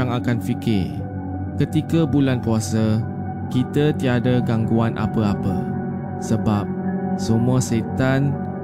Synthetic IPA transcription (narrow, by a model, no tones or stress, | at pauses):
aŋakanfikɪ | kət̪ikəbulankuasə | kit̪ət̪iadəɡaŋɡuanʔa̰pəapə̰ | səbap̚səmũaset̪an